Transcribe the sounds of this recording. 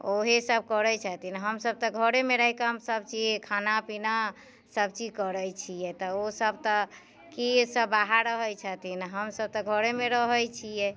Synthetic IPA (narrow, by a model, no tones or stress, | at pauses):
oɦesəb̚kəɾət͡ʃʰət̪inɦəmsəb̚t̪ɔɡʱəɾemeɾəɦikaəmsəb̚t͡ʃikʰanapina | səb̚t͡ʃid͡ʒkəɾəjt͡ʃʰijɛt̪ɔosəbt̪ɔ | kisəbaɦaɾɾəɦəjt͡ʃʰət̪inɦəmsəb̚t̪ɔɡʱəɾemeɾəɦəjt͡ʃʰijɛ